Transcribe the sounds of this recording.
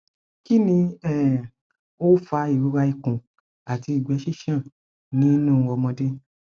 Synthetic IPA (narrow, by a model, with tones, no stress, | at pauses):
ki˦nĩ˧ɛ˦˨ | o˦fa˧i˨ɾu˨˦ɾa˧i˧kũ˨ | a˨ti˧i˨ɡ͡bɛ˨˦ʃi˦ʃã˦˨ | nĩ˦nũ˦˧wɔ˧mɔ̃˧dẽ˦